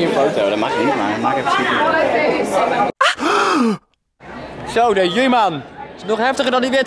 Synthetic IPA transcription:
ə̃nfowtodɔtmɑχɪnitma̰mɑχkɛfə̥sti | sowdəjəlimantɪnɔχɦɛftəχəɹdɑndiʋɪɹt

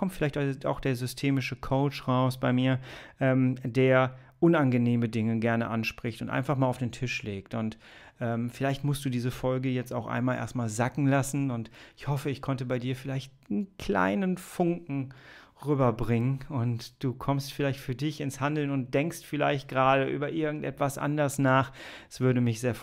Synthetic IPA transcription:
kʰɔmtfɪlaɪçta̰ʊxd̥eːɐzʏstʰeːmɪʃəkʰoʊt͡ʃʁaʊsb̥aɪmiːɐʔɛːmdeːɐ | ʔʊnanɡəneːmədɪŋəɡɛɐnəʔanʃpʁ̥ɪçtʊntʔa̰ɪnfaχmaːlaʊd̥eːntʰɪʃleːk̚tʊnt | ʔɛːmfɪlaɪçtmʊstd̥uːdiːzəfɔlɡəjɛt͡sta̰ʊxʔa̰ɪnmaːlʔḛɐstmaːlzakŋ̩lasn̩ʊntʔɪçhɔfəɪçkʰɔntəbaɪdiːɐfɪlaɪçt | n̩kʰl̥a̰ɪnənfʊŋkŋ̩ | ʁyːbɐbʁɪŋənʊntd̥uːkʰɔmstfɪlaɪçtfyːɐdɪçɪnshandl̩nʊnt̚d̥ɛŋkstfɪla̰ɪçt̚ɡ̥ʁaːdəʔy̰ːbɐʔɪɐɡŋ̩tʔɛ̰tv̥asʔa̰ndɐsnaːχɛ̥sv̥ʏɐɾəmɪçz̥eːɐf

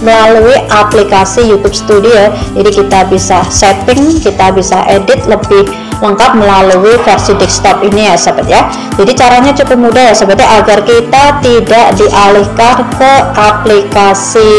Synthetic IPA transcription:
məlaluiʔaplikasijut̪ʊp̚sə̥t̪udiod͡ʒadikit̪abisasɛt̪ɪŋkit̪abisaʔedɪt̪̚ləbɪh | ləŋkat̪̚məlaluifərsidɪk̚st̪ɔpinijasəbət̪̚ja | d͡ʒadit͡ʃaɾaɲat͡ʃukʊp̚mudahjasəbət̪̚jaʔaɡarkit̪at̪idaʔdiʔalɪhkankəʔaplikasi

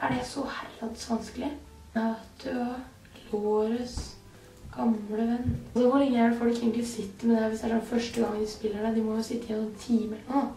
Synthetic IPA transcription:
ʔæɖɛsɔhæɾɑd̪sʋɑnskəlɪ | nɑːt̪ʰʉ | loːɾəs | ɡ̥ɑmləʋɛnːd̪ɛmɔlɪɡəjæːɖɛfɔɾɪkːɛɡnt̪sɪt̪ːɪmɛnd̪ɛæːɾʋɪsd̪ɛæʂɔnːfœʂʈəɡɑŋːd̪ɪspɪlːəɖæd̪ɪmɔjʊsɪt̪ːəɪjɛnːɔnt̪ʰiːməɛləɳoː

